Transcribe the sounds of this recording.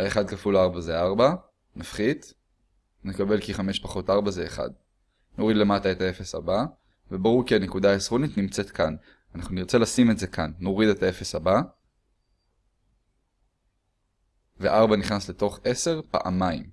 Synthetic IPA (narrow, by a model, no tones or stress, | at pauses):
aeχad̪kafulaʁbazeaʁba | nafχid̪ | nekabe̞lkiχame̞ʃpaχo̞taʁbazeːχa̰d̪ | no̞ʁid̪le̞matae̞tae̞fe̞sa̰ba | ve̞baʁuʁkianekudaːesʁo̞nitnimt͡se̞t̪kan | anaχnuniʁt͡se̞lasime̞tze̞kanːo̞ʁid̪e̞tae̞fe̞saba | veʔaʁbaniχnasleto̞χe̞se̞ʁpa̰ʔa̰maim